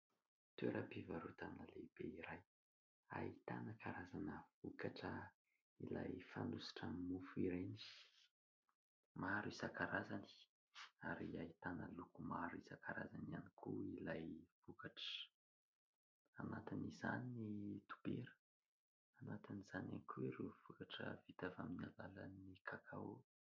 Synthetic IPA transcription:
t̪ueɾəbivaɾut̪aminəleb̥eiɾaj | a̰it̪a̰nəkaɾazanəvukaʈ͡ʂə | ḭlajfa̰nusi̥ʈ͡ʂammufuiɾeni̥ | maɾuisakaɾazani | aɾiait̪anəlukumaɾuisakaɾazanianikʰuilajv̥ukaʈ͡ʂə̥ | anat̪iniza̰ninit̪u̥b̥eɾə̥ | anat̪iniz̥ana̰nikʰuiɾewv̥ukaʈ͡ʂə̰vit̪avaminalalanikʰakʰaw

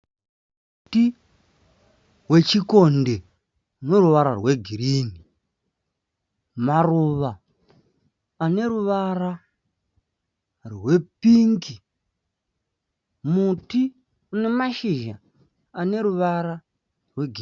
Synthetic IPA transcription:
m | uti | we̞t͡ʃiko̞nde̞ | uno̞ruʋaɾa̰rwe̞ɡʱiɾiːni | maruʋa | ne̞ɾuʋara | rwe̞piŋɡi | muti | une̞maʃiʒa̰ | ane̞ɾuʋaɾa | rwe̞ɡʱi

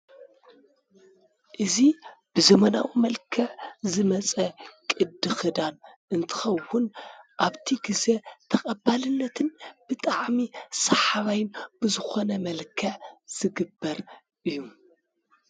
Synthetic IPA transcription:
ʔɨzib̥ɨzɐmɐna̰wimɐlkʰɐʕzɨmɐt͡sʼɐkʼɨd̪ɨxɨd̪an | ʔɨnt̪ʰɨ̥xɐwːʊnʔaβt̪ʰiɡɨzet̪ʰɐkʼɐbalɨnːɐt̪ʰɨnb̥ɨt̪ʼaʕmisɐħaβajɪnb̥ɨzɨxonɐmɐlkʰɐʕz̥ɨɡɨbːɐɾ | ʔɨjːu

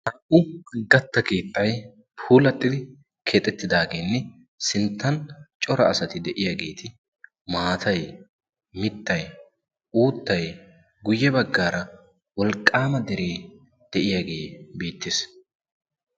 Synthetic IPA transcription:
hɐʔʊɡɐt̪ːɐkeːt̪ʼːɐj | pʰuːlɐt̪ʼːɪd̪ɪ | kʰet̪ʼɛt̪ːɪd̪aːɡe̞ːnːɛ | sɪnt̪ːɐnt͡ʃʼɔɾɐːsɐt̪ɪd̪ɛʔɪjaɡe̞ːt̪ʰɪ | maːt̪ʰɐj | mɪt̪ːɐj | uːt̪ːɐj | ɡʊjːɛbɐɡːaːɾɐ | wɔlkʼːaːmɐd̪ɛɾeː | d̪̥ɛʔɪjaɡe̞ːbiːt̪ːɪs

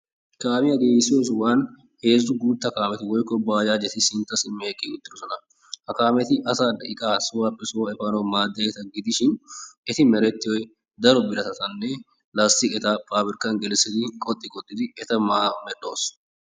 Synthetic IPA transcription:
kaːmɪɐɡeːjɪsɪjoːs̬waːn | he̞ːzʊɡuːt̪ːɐkaːmɛt̪ɪwɔjkːɔbaːd͡ʒaːd͡ʒɛt̪ɪsɪnt̪ːɐsɪmːeːkʼːɪʊt̪ːɪdɔsɔnɐ | hɐkaːmɛt̪ɪʔɐsaːd̪ɐɪkʼaːsʊwaːpʼːɪsʊwɐɛfanɐwmaːd̪ːɐjɛt̪ɐɡɪd̪ɪʃɪnɛt̪ɪmɛɾɛt̪ːɪjɔj | d̪ɐɾɔbɪɾɐt̪ɐt̪ɐnːɛ | laːst̪ɪkʼɛt̪aːpʼaːbɪɾkːɐnɡɛlsːɪd̪ɪkʼɔt̪ʼːɪkʼɔt̪ʼːɪd̪ɪɛt̪ɐmaːmɛᶑo̞̰ːs

